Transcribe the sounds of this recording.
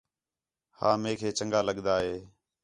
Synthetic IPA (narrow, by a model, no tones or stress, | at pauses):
haːmeːkʰeːt͡ʃəŋɡaːləɠd̪aːɦeː